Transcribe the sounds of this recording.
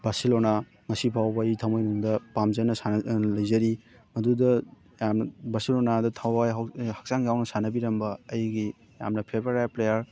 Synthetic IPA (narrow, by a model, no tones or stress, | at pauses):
basilona | ŋɐsipʰawbɐitʰamojnuŋdɐpamzɐnɐsalɐjzɐɾi | mɐdudɐ | jamnɐbasilonadɐtʰawajhak̚saŋjawnɐsanɐbiɾɐmbɐːjɡi | ja̰mnɐpʰebeɾajplejɐɾ